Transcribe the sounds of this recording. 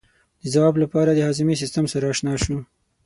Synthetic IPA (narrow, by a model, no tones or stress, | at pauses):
d̪̥əzawɑblapɑɾad̪əhɑzɪmis̬ɪst̪əmsaɾaːʃnɑʃu